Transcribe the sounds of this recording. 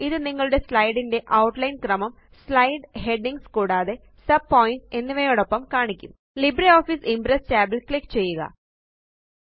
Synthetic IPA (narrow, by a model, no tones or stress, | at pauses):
iðɨniŋːɐɭuɽe̞slɐjɽinde̞ʔɐwʈlɐjnkrɐmɐm | slɐjɖhe̞ɖiŋɡskuːɽaːðe̞ | sɐb̚pːo̞ːjinse̞nːiʋejoːɽopːɐmkaːɳikʲːum | libɾio̞ːfisimpɾest͡ɕaːbelkɭikːt͡ɕe̞jːuɣɐ̰